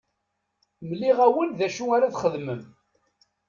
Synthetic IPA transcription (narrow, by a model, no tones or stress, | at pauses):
mliʁæwənðæʃuaɾaθχəðməm